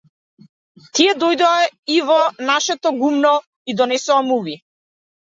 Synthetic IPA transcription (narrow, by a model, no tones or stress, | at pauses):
t̪iɛd̪ɔjd̪ɔaivɔnaʃɛt̪ɔɡumnɔ | id̪ɔnɛsɔamuvi